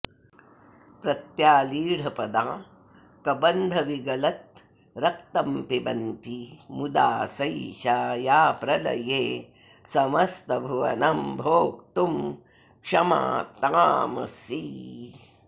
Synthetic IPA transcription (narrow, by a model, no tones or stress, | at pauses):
pɾɐt̪jaːliːɽ̤ʱɐpɐd̪aː | kɐbɐnd̪ʱɐʋiɡɐlɐt̪̚ | ɾɐk̚t̪ɐmpibɐnt̪imud̪a̰ːsɐjʃaːjaːpɾɐlɐ̰jeː | sɐmɐst̪ɐbʱɐʋɐ̰nɐmbʱoːk̚t̪um | kʂɐma̰ːt̪aːmɐ̰siː